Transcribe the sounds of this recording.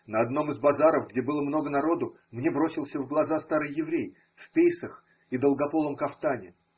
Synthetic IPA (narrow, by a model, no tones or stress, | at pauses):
nəɐd̪no̞mɨzbɐzaɾəvɡdʲebɨlˠəmno̞ɡənɐɾo̞d̪ʊ | mnʲebɾo̞sʲɪlˠsʲəvɡlˠɐzast̪aɾɨjːɪvɾʲej | fʲpʲejsəx | id̪əlˠɡɐpo̞lˠəmkɐft̪anʲɪ